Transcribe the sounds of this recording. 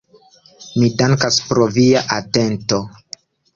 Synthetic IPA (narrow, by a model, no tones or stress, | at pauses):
midaŋkaspɾoviaʔatento